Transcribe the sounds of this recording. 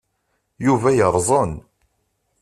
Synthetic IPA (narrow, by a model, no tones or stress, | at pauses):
juvæjəɾˤzˤən